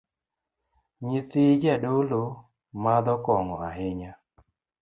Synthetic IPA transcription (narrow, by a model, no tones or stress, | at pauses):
ɲit̪id͡ʒɛdolo | mad̪ɔkɔŋɔaɦɪɲa